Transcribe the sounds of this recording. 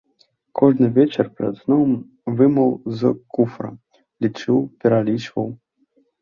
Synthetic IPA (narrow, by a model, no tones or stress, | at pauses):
kʰɔʐnɨvʲɛt͡ʃɛrpɾɛ̰d̪znɔwm | vɨmɐwzkufɾɐ̰ | lʲit͡ʂɨwpʲɛɾalʲit͡ʂvɐw